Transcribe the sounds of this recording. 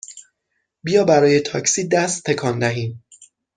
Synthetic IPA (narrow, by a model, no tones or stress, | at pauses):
bijɒːbæɾɒːjet̪ʰɒ̰ːcsiːd̪æst̪ʰːe̞kʰɒːnd̪æɦiːn